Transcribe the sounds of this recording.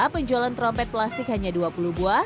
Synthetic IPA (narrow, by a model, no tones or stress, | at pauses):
pəɲd͡ʒɔlant̪ɾɔmpɛt̪̚plast̪ɪkhaɲaduapulubua